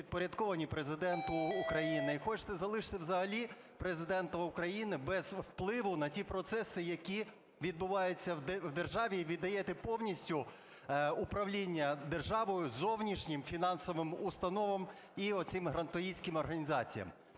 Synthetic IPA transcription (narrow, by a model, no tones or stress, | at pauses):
id̪̚pɔɾʲɐd̪kɔʋɐnʲipɾezɪd̪ɛnt̪ʊːkɾɐjinɪixɔt͡ʃt̪ɛzɐlˠɪʃt̪ɛwzɐɦɐlʲi | pɾezɪd̪ɛnt̪ɐʊkɾɐjinɪbɛz̥wplˠɪʋʊnɐtʲipɾɔt̪sɛsɪjɐkʲi | ʋʲid̪̚bʊʋɑjʊt͡sʲːɐʋd̪erʒɑʋʲiʋʲid̪ːɐjɛt̪ɛpɔwnʲisʲtʲʊ | ʊpɾɐʋlʲinʲːɐd̪erʒɑʋɔjʊzɔwnʲiʃnʲɪmfʲinɑnsɔʋɪmʊst̪ɐnɔʋɐm | iɔsɪmɦɾɐnt̪ɔjisʲkɪmɔrɦɐnʲizɑt͡sʲijɐ̰m